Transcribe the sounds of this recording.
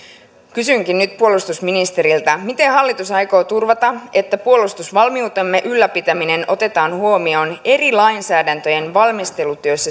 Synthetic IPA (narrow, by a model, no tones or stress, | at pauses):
kysyŋkinːyt̪̚puo̞lust̪usminist̪e̞ɾilt̪ɑmit̪e̞ɦɑlːit̪usɑjko̞ːt̪urʋɑt̪ɑe̞t̪ːæpuo̞lust̪usʋɑlmiut̪e̞mːeʔylːæpit̪æmine̞no̞t̪e̞t̪ɑːnhuo̞mio̞ne̞rilɑjnsæːdænt̪ø̞je̞nʋɑlmist̪e̞lut̪yøsːæ